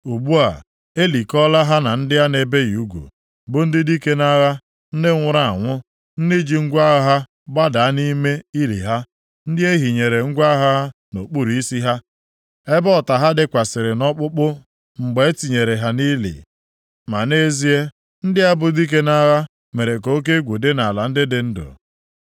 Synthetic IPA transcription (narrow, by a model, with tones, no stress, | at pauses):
u˨bu˦a˨ | e˦li˨kɔ˦la˦ɦa˦na˨n̩˦dɪ˦ja˦ne˨be˦ju˦ɡʷṵ˨ | bʊ˨n̩˦dɪ˦di˦ke˦na˦ɣa˦ | n̩˦dɪ˦ŋʷʊ˦ɾa˨a̰˨ŋʷʊ˦ | n̩˦dɪ˦d͡ʒi˨ŋ̩˦ɡʷa˦ɣɦa˦ | ba˦da˨a˦ni˦me˦i˦lḭ˨ɦa˦ | n̩˦dɪ˦e˦ɦi˨ɲe˨ɾe˨ŋ̩˦ɡʷa˦ɦa˦a˦ | no˨k͡pu˦˨ɾi˨i˦si˦ɦa˦ | e˦bɔ˦˨ta˨ɦa˦dɪ˦kʷa˨sɪ˨ɾɪ˨nɔ˦k͡pʊ˦k͡pʊ˦ | ŋ͡m̩˨ɡ͡be˨e˦ti˨ɲe˨ɾe˨ɦa˦ni˦lḭ˨ | ma˨ne˦zi˦e˦ | n̩˦dɪ˦a˦bʊ˨di˦k̬e˦na˦ɣa˦ | me˨ɾe˨ko˦o˦k̬e˦ɡʷu˨de˦na˨la˨n̩˦dɪ˦dɪ˦n̩˦dʊ̰˨